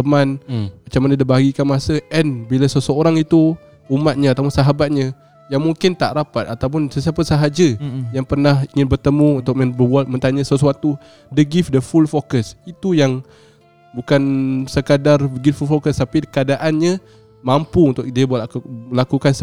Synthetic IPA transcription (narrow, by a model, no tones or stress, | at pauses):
əmãnmat͡ʃamanədəbaɡikanmasəʔɛnbilasəsəoɾaŋit̪u | umat̪̚ɲaat̪awpʊnsaɦabat̪̚ɲã | jaŋmuŋkɪnt̪a̰ʔɾapat̪̚at̪awpʊnsəs̬iapəsəɦad͡ʒəjaŋpərnahiŋɪnbərt̪əmũunt̪ʊk̚mə̃nbəbuat̪̚mənt̪aɲasəsuat̪u | dəɡifdəfulfokəsit̪ujaŋ | bukansəkadarɡiffulfokəst̪apikəadaʔanɲa | mampuunt̪ʊkdiəbaəlakukans